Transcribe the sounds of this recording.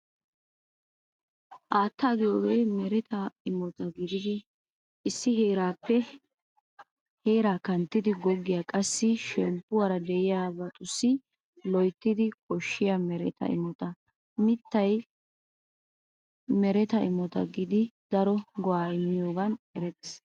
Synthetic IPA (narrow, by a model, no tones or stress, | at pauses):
ʔaːt̪ːaːɡɪjoːɡejmɛɾɛt̪ɐɪmɔt̪ɐɡɪd̪ɪd̪ɪ | ɪsːɪɦeːɾaːpːɛ | heːɾaːkɐnt̪ːɪd̪ɪɡɔɡːɪjaːkʼɐsːɪʃɛmpːʊwɐɾɐd̪ɛɪjaːbɐt̪ʼʊsːɪ | lɔjt̪ːɪd̪ɪkʼɔʃːɪjɐmɛɾɛ̰t̪ɐ̰ʔɪ̰mɔt̪ɐ | mɪt̪ːɐj | mɛɾɛt̪ɐɪmɔt̪ɐ̰ɡɪd̪ɪd̪ɐɾɔɡɔwaːɪmːɪjoːɡɐnɛɾɛt̪ɛs